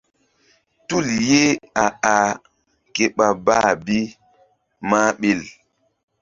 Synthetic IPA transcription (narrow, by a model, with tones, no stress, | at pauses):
tu˦lje˦a˨a˨ | ke˨ɓa˨baː˦˨bi˦ | maː˦ɓe˨l